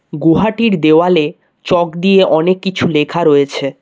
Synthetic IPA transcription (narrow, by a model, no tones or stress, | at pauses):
ɡoɦaʈiɾd̪eoale | t͡ɕɔkd̪ijeʔɔnekːit͡ɕʰulekʰaɾojet͡ɕʰe